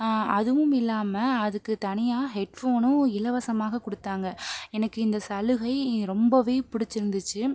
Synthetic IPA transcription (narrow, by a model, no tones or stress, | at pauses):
ɐðɯʋɯmɪlːaːmɐɐðɯkːɯt̪ɐnɪjaːɦɛʈfoːnʊ̃ɪlɐʋɐsɐmaːɣɐkɔɽɯt̪ːaːŋɡɐɛnɐkːɯɪnd̪ɐsɐlɯɣɐɪɾɔmbɐʋeːpʊɽɪt͡ʃːɪɾɯnd̪ɯt͡ʃːɯ